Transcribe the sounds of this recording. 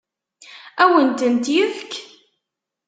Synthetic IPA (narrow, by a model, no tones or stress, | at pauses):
æwənt̪ənt̪jəfk